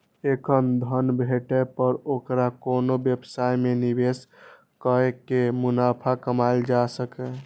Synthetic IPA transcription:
ekʰənd̪ʱənbʱeʈɛpəɾokɾakonobjəbsajmenibes | kəekemunapʰakəmajld͡ʒasəkɛ

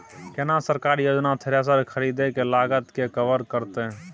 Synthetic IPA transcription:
kenasəɾkaːɾijoːd͡ʒnat̪ʰeɾes̬əɾkʰəɾid̪ekelaːɡət̪kekəʋəɾkəɾt̪eɦ

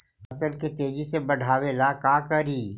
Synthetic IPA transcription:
ɐt̪əɾket̪eːd͡ʒisebɐɽʱaːʋelaːkaːkəɾiː

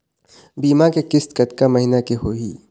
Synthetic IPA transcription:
biːmakekɪst̪kɐt̪kamɐɦinakeɦoːiː

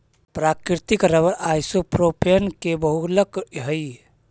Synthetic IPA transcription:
pɾakɾɾt̪ikɾəβəɾajsopɾopʰenkebəɦuləkɦəj

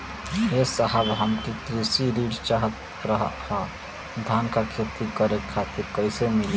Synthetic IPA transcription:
ɦesəɦəbɦəmkit̪ɾisiɾiɖt͡ʃaɦət̪ | ɾəɦhə | d̪ʱankakʰet̪ikəɾekʰːat̪iɾkəjsemili

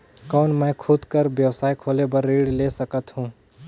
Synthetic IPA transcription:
kɔːnmɛ̃ːkʰʊd̪kəɾbjəwsaːikʰoːlebəɾːiːɽleːsəkət̪ɦũː

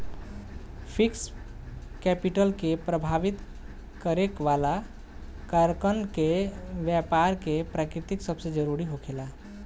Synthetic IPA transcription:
pʰiks | kɛpiʈəlkepɾəbʱaʋit̪ | kəɾekʋala | kəɾkənkeʋjɛpaɾkepɾakɾit̪iksəbsed͡ʒəɾuɾiɦokʰela

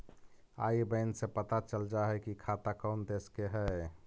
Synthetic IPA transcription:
a̰ibəɪnsepət̪at͡ʃəld͡ʒaɦɛkikʰat̪akəʊnd̪eskeɦɛ

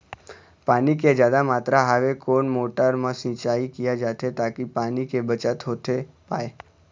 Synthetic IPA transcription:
paniked͡ʒjad̪amat̪ɾaɦaʋekoɳmoʈaɾmãsĩt͡ʃaikijad͡ʒat̪ʰet̪akipanikebət͡ʃat̪ʰot̪ʰe | pae

